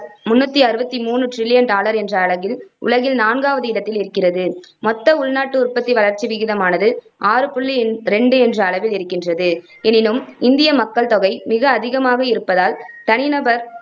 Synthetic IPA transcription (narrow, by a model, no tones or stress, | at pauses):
mʊnːɐt̪ːiɐɾɯbɐt̪ːimuːnɯʈrɪlɪjɐnɖaːlɐɾɛndrɐːɭɐɣɪlʊ̰ɭɐɣɪlnaːnɡaːʋɐðɯɪɽɐt̪ːɪlɪɾɯkːɪrɐðɯmɔt̪ːɐʊɭnaːʈːɯʊɾpɐt̪ːiʋɐɭɐɾt͡ʃːiʋɪɣɪðɐmaːnɐðɯ | ʔaːɾɯpʊɭːiɾɛɳɖɯɛndrɐːɭɐʋɪlɪɾɯkːɪndrɐðɯ | ɛnɪnɯmɪnd̪ɪjɐmɐkːɐɭt̪ɔɣɐɪmɪɣɐːðɪɣɐmaːɣɐɪɾɯpːɐðaːlt̪ɐnɪnɐbɐɾ